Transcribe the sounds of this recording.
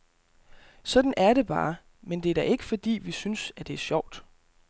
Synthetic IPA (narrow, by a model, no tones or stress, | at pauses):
sɒ̽d̥n̩æɐɾ̥e̝b̥ɑ̰̈ː | mend̥e̝æɐd̥æʔe̝ɡ̥əfɒ̽d̥ḭːʋisynsæd̥e̝æɐɕɒʊ̰d̥